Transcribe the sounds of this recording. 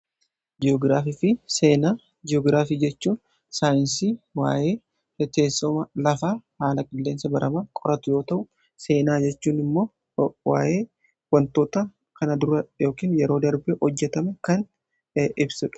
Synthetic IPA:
d͡ʒɪɔːɡɾaːfifɪseːnaː | d͡ʒɪɔːɡɾaːfiːd͡ʒɛt͡ʃːuːn | saːjɪnsiwa̰ːje̞ː | t̪e̞ːsːɔmɐlɐfaːhaːlɐkʼɪlːe̞ːnsɐbɐɾʔɐmakʼɔɾɐt̪ʊjo̞ːt̪ɐʔʊ | se̞ːnaːd͡ʒɛt͡ʃːuːnɪmːo̞ː | wa̰ːje̞ː | wɐnt̪oːt̪ɐ | kɐnɐd̪ʊɾɐjo̞ːkiːnjɛɾo̞ːd̪ɐɾbɛhɔd͡ʒːɛt̪ɐmɛkɐn | ɪbsʊᶑ

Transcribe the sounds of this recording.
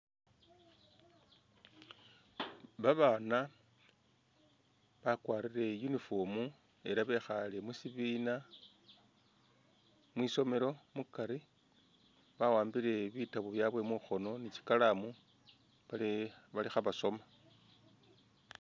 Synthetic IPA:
βaβaːna | βakwaːɾiɾe̞junifo̞ːmu | e̞ɾaβe̞xale̞musiβiːna | mwiːso̞me̞ɾo̞mukaɾi | βawaːmbiɾe̞βitaβuoβjaβwe̞muxo̞no̞nici̥kalamu | aβalixaβaso̞ma

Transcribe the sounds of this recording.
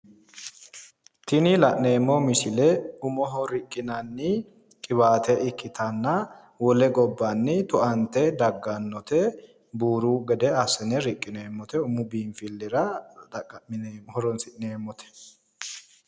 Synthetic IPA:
t̪ɪnɪlɐʔne̞ːmːɔmɪsɪlɛʊmɔɦɔɾɪkʼːɪnɐnːɪ | kʼɪbaːt̪ɛɪkːɪt̪ʰɐnːɐ | wɔlɛɡɔbːɐnːɪt̪ɔʔɐnt̪ɛd̪ɐɡːɐnːɔt̪ɛ | buːɾuɡɛd̪ɛɐsːɛnɛɾɪkʼːɪneːmːɔt̪ɛʊmʊbiːnfɪlːɪɾɐdɐɐmːhɔɾɔnsɪʔneːmːɔt̪ʰɛ̥

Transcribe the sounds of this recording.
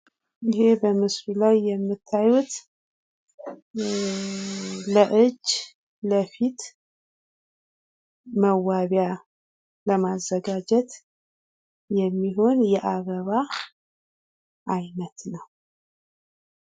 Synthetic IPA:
ɪɦe̞bəmɨsɾulajːɛmːɨt̪ʰːajut̪ | ləʔɨd͡ʒː | ləfit̪ | məwːaβja | ləmazːəɡad͡ʒɛt̪ | jɛmːiɦo̞njɛʔaɡəβa | ʔajnət̪nəw

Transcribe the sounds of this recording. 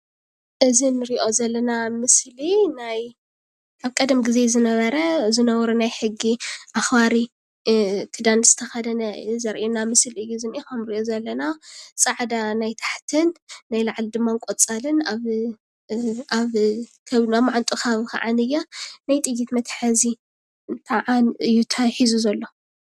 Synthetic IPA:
ʔɨzinɨɾiʔo̞zɐlːɐnamɨslinaj | aβkʼɐd̪ɐmɡize̞zɨnɐβɐɾɐzɨnɐwɾunajħɨɡːiʔaxbaɾi | t̪ʰɨd̪anz̥ɨt̪ʰɐxɐd̪ɐnɐzɐɾʔenamɨslɨjːuzɨnikɐmɾiʔozɐlːɐnasʼaʕd̪anajt̪ʰḁħt̪ʰɨnːajlaʕld̪ɨmːaŋkʼot͡sʼalɨnaβ | aβ | kʰɐamːaʕant̪ʼuxaβka̰ʕanɨjːanajt̪ʼɨjːit̪mɐt̪ʰħɐzi | ɨnt̪ʰaʕanɨjːut̪ʰajħizuzɐlːo̞

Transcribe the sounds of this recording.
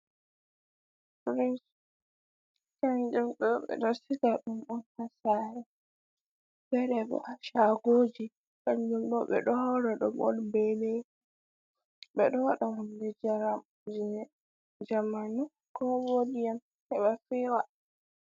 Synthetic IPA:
pɾins | kaɲd͡ʒumɗɔɓɛ̰ɗɔsiɡaɗumɗɔnhasaɾɛ | bɛɾɛbɔ̰aʃaɡoːd͡ʒi | kaɲd͡ʒumɗɔɓɛ̰ɗɔhɔɾaɗɔmɔnbɛlɛ | ɓɛɗɔwaɗamɔnlɛd͡ʒaɾam | d͡ʒ | d͡ʒamanu | kɔwodijan | hɛɓafiwa

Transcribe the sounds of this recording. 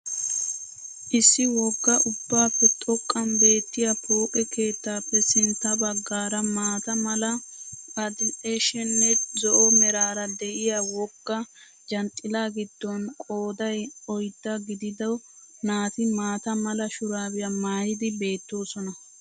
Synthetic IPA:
ʔɪsːɪwɔɡːɐʔʊbːaːpːɛt̪ʼɔkʼːɐmbe̞ːt̪ːɪjɐkʰoːkʼɛke̞ːt̪ːaːpːɛsɪnt̪ːɐbɐɡːaːɾɐmaːt̪ɐmɐlɐpɐd̪ɪeʃɛnːɛzɔʔɔmɛɾaːɾɐd̪ɛʔɪjawɔɡːɐ | d͡ʒɐnt̪ʼːɪlaːɡɪd̪ːɔnkʼoːd̪ɐjɔjd̪ːɐɡɪd̪ɪd̪ɐw | naːt̪ɪmaːt̪ɐmɐlɐʃʊɾaːwɪjɐmaːjɪd̪ɪbe̞ːt̪ːo̞ːsɔnɐ

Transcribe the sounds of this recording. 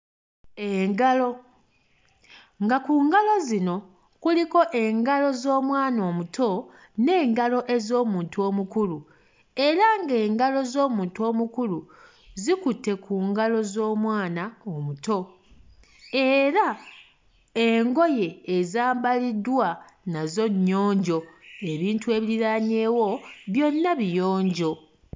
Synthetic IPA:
eɡalo | ŋɡakuːŋɡalo̞zino̞ | kuliko̞ʔe̞ŋɡalo̞zo̞ːmwaːno̞ːmutʰo̞ | ne̞ːŋɡalo̞ʔe̞zo̞ːmuːntuo̞ːmukulu | e̞ɾaŋɡe̞ːŋɡalo̞zo̞ːmuːntuo̞ːmukulu | zikutːe̞kuːŋɡalo̞zo̞ːmwaːnaomuto̞ | e̞ɾa | eŋɡo̞je̞ːzaːmbalidwa | nazo̞ɲːo̞ːɲɟo̞e̞βiːntue̞ːβiɾiɾaɲe̞ːwo̞βjo̞nːaβijo̞ːɲɟo̞

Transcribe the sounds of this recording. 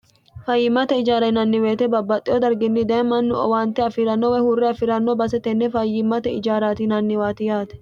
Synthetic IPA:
fɐjːɪmɐt̪ɛɪd͡ʒaːɾɐnɐnːɪweːt̪ɛbɐbːɐt̪ʼːɪɔd̪ɐɾɡɪnːɪd̪eːmɐnːʊɔ̰waːnt̪ːɛɐfɪɾɐnːɔwɛhuːrːɛɐfɪɾɐnːɔbɐsɛt̪ɛnːɛfɐjːɪmːɐt̪ɛɪ̰d͡ʒaːɾaːt̪inɐnːɪwaːt̪ɪjaːt̪ɛ̥

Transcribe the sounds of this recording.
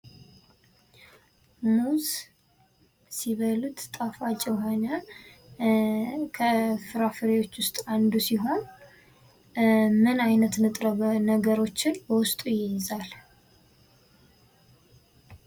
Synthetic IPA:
muz | siβəlut̪ʼt̪ʼafat͡ʃʼɛwhaɲa | kʰəfɨɾafɨɾewo̞t͡ʃːwʊst̪ʼand̪usiɦo̞n | mɨnajnət̪nɨt̪ʼɾəβənəɡəɾo̞t͡ʃːɪnbəwʊst̪ʼujɛjɪzal

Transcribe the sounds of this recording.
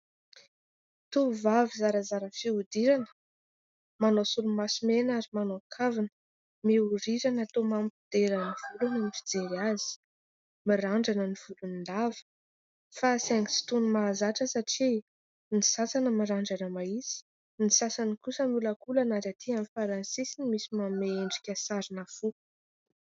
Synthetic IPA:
t̪uvavizaɾəzaɾəfiud̪iɾanə̥ | manosulumasimenaɾimanoakʰavinə̥ | miuɾiɾanat̪omampid̪̥eɾəniv̥ulunamifid͡zeɾiazi̥ | miraɳɖ͡ʐanəniv̥ulunind̪avə̥ | fasaŋi̥si̥t̪unumaːzaʈ͡ʂəsaʈ͡ʂi | nisasanəmiɾaɳɖ͡ʐanəmaisi̥ | nisasanikusəmuləkulanazat̪ʰiamifaɾansisinimisimameeɳɖ͡ʐikʲəsaɾinafu

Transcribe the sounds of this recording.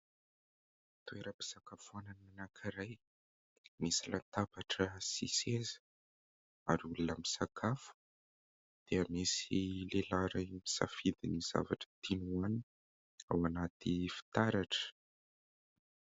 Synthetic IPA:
t̪ueɾəpi̥sakafuananimanakʰiɾaj | misilant̪abaʈ͡ʂəsḭsezə̥ | aɾiulunəmisakʰafu̥ | d̪̥eamisilelaɾamisa̰fid̪iniz̥a̰vaʈ͡ʂə̥t̪ʰinuani | awanat̪ifi̥t̪aɾaʈ͡ʂə̥

